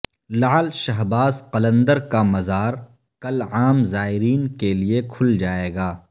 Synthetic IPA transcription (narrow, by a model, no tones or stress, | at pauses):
laːlʃɐɦbaːzqɐlə̃nd̪əɾkamɐzaːɾ | kɐlaːmzaːɪɾiːnkeliekʰʊld͡ʒaːeːɡaː